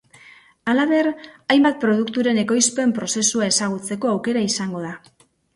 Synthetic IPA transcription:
alaβe̞rajmbat̪̚pɾo̞ð̞ukt̪uɾe̞ne̞ko̞jspe̞mpɾo̞se̞suae̞saɣ̞ut͡se̞ko̞awke̞ɾaisaŋɡo̞ð̞a

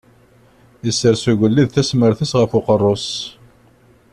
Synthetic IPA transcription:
isːəɾsuʝʷəlːiðθæsməɾθisʁəfʊqərˤːʊs

